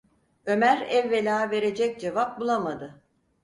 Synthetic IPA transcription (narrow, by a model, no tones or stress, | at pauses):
ø̞mæɾɛvːelʲaːve̞ɾe̞d͡ʒɛc̚d͡ʒevap̚bulˠamad̪ɯ